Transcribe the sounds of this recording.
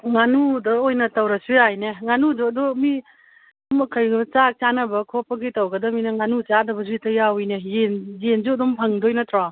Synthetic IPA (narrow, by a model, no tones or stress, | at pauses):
ŋanudɐojnɐtɐwɾɐsujajneŋanudɔdɔmi | mɐkʰajɡt͡ʃak̚t͡ʃanɐbɐkʰopɐɡitawɡɐdɐminɐŋanut͡ʃadɐbɐzuitɐjawjnejenjenzudɔmpʰɐŋdɔjnɐtʰɾa